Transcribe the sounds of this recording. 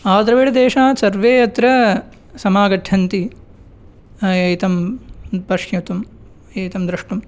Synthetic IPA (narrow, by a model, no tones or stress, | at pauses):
aːd̪ɾɐʋeːɭɐd̪eːʂaːsɐɾʋeːjɐt̪ɾɐ | sɐmaːɡɐʈʰːɐnt̪i | jɐjt̪ɐmpɐʂjut̪um | ɐjt̪ɐmd̪ɾɐʂʈum